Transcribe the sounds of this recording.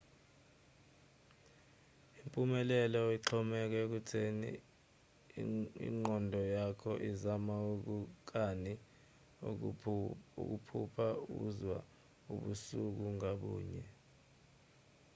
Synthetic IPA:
impʼumɛlɛlɔiǁʰɔmɛk̬ɛk̬utʰenḭ | ḭŋ͡ǃɔndʱɔjakʰɔʔizamauk̬uk̬ani | ṵk̬upʰupʰaṵzwa̰ | ṵɓusuk̬uŋaɓṵːɲɛ

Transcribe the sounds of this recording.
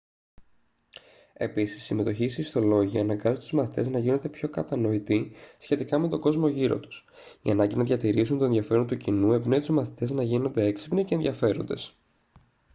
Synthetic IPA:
e̞̰pisi̥sːime̞t̪o̞çiːsiist̪o̞lo̞ʝiɐnɐŋɡɐzot̪uzmɐθi̥t̪e̞znɐʝino̞nd̪e̞pço̞kɐt̪ɐno̞it̪isçe̞t̪ikɐme̞t̪o̞ɡo̞zmo̞ʝiɾo̞̰t̪u̥s | iɐnɐɲɟinɐðʝɐt̪iɾis̬unt̪o̞e̞nðʝɐfe̞ɾo̞nt̪ucinue̞bnet̪uzmɐθi̥t̪e̞znɐʝino̞nd̪e̞eksi̥pnicenðjɐfe̞ɾo̞nd̪e̞s

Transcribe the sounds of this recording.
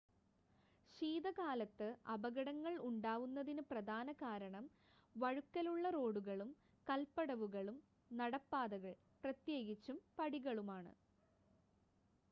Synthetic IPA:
ɕiːðɐkaːlɐt̪ːɨɐbɐɣɐɽɐŋːɐɭuɳɖaːʋunːɐðinɨprɐd̪ʱaːnɐkaːɾɐɳɐm | ʋɐɻukːɐluɭːɐro̞ːɽuɣɐɭum | kɐlpːɐɽɐʋuɣɐɭum | nɐɽɐpːaːðɐɣɐɭ | prɐt̪jeːɡit͡ɕːumpɐɽiɣɐɭumaːɳɨ̰

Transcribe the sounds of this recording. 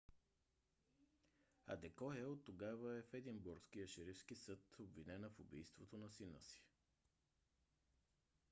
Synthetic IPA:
ɐ̰d̪ɛkɔjəot̪ːoɡavəɛfɛd̪inbuɾskiəʃɛɾifskisɤt̪obvinɛnəfobḭjst̪vot̪onɐsinə̰si̥

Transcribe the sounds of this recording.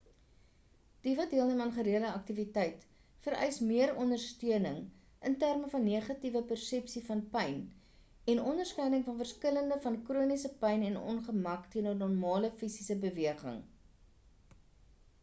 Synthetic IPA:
d̥ivɐdiəlˠnəmɑnχəɾiələɐk̚tivitɛjt | fəɾœ̰ɥsmiəɾɔndərstyənəŋ | ʔəntærməfɐnːiəχɐtivəpərsɛpsifɐnpɛjn | ɛnɔndərskɛjnəŋfɐnfərskələndəfɐnkruənisəpɛjnɛnɔ̰nχəmɐktiənənɔrmɑːləfisisəbəviəχə̰ŋ

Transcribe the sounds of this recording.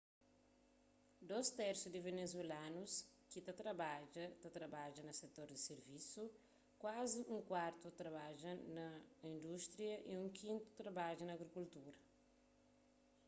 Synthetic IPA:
d̪ost̪ɛɾsud̪ivenezwelanus | kit̪ɐt̪ɾɐbad͡ʒɐt̪ɐt̪ɾɐbad͡ʒɐnɐset̪oɾd̪iseɾvisu | kwaziʔũŋkwaɾt̪ut̪ɾɐβad͡ʒɐnɐĩnd̪ust̪ɾiɐʔiũŋkʰĩnt̪u̥t̪ɾɐbad͡ʒunɐːɡɾikult̪uɾɐ

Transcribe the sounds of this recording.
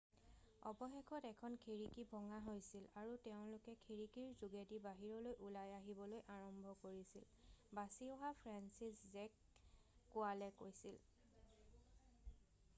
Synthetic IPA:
ɔ̰bɔxɛkʰɔtɛkʰɔnkʰiɹikibʱɔŋaɦojsilaɹutɛʊ̃lʊkɛkʰiɹikiɹzuɡedibaɦiɹɔlojʔulajaɦibɔlojʔaɹɔmbʱɔkoɹisil | basiɔɦapʰɹansiszɛkː | ualɛkojsil

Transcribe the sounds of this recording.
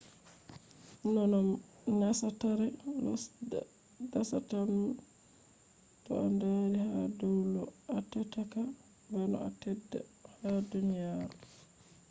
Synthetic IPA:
nɔnɔm | nasataɾɛ | dasatam | tɔ̰andadihadɛwlɔatɛtaka | banɔ̰atɛdːa̰hadunijaɾu

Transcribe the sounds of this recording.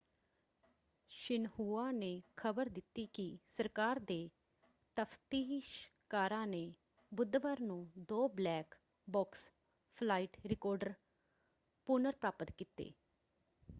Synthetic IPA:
ʃɪnhuːaːneːkʰəbəɾd̪ɪt̪ːiːkɪsəɾkaːɾd̪eː | t̪əfʰt̪iːʃkaːɾãːneː | bʊd̪ʋəɾnũːd̪oːblɛːk | bɔːks | pʰlaːiːʈɾɪkɔːɾɖəɾ | pʊnəɾpɾaːpət̪kiːt̪ḛː

